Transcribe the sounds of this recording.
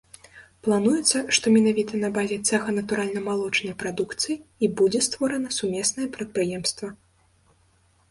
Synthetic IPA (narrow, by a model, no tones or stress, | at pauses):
plˠanujɛt̪sːɐʂt̪ɔmʲɛnavʲit̪ɐnɐbazʲɛt̪sɛxɐnɐt̪uɾalʲnɐmalˠɔt͡ʂnɐjpɾad̪ukt̪sɨjiibud͡zʲɛst̪vɔɾɐnɐsumʲɛsnɐjɛpɾɐt̪̚pɾɨjɛmst̪vɐ